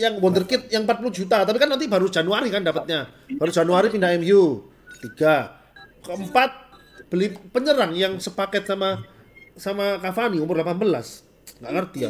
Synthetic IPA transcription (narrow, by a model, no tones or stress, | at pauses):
jaŋwɔnd̪ərkɪt̪̚jaŋəmpat̪̚pulud͡ʒut̪at̪apikanːant̪̬ibaɾu̥d͡ʒ̥anuaɾikandapət̪̚ɲa | baɾud͡ʒ̥anuaɾipindaɛmju | t̪iɡ̥a | kəmpat̪̚ | b̥əlipəɲəɾaŋjaŋsəpakɛt̪̚sama | samakafaniumʊrlapanbəla̰s | ŋɡaʔkərt̪ia̰